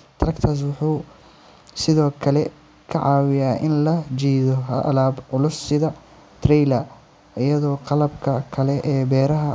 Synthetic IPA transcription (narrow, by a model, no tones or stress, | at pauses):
t̪ʰɾɐkt̪ʰaːs̬wʊħuː | sɪðɔːkʰɐlɛ | kʰɐʕɑːwɪjaːʔɪnlɐt͡ʃiːðɔɦɐ̰ʔɐlaːbʕʊlʊsɪðɐ | t̪ʰrɛjlɐ | ɪjɐðɔːqɑlɐbkʰɐkʰɐlɛʔɛːbɛːɾɐɦɐ